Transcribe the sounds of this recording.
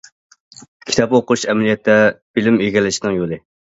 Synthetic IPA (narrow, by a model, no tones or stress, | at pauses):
kʲʰit̪ʰɑpoqʰʊuʃɛmɛlijɛt̪ʰːɛb̥ɪlɪmøɡʲɛlːɪʃd̪ɨŋjolˠɨ